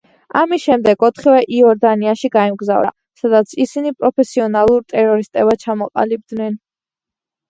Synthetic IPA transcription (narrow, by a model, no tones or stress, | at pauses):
amisʃɛmd̪ɛɡɔt̪ʰχivɛʔiɔɾd̪aniaʃiɡaimɡza̰vɾa̰ | sad̪at̪sʰisinipʼɾɔpʰɛsiɔnalˠuɾt̪ʼɛɾɔɾist̪ʼɛbat͡ʃʰamɔqʼa̰lib̚d̪nɛn